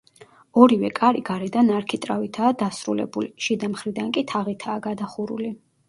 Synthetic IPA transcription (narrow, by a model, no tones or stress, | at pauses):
ɔɾivɛkʼaɾiɡaɾɛd̪anaɾkʰit̪ʼɾavit̪ʰaːd̪asɾulɛ̰buliʃid̪amχɾid̪aŋkʼit̪ʰaʁit̪ʰaːɡad̪aχuɾṵli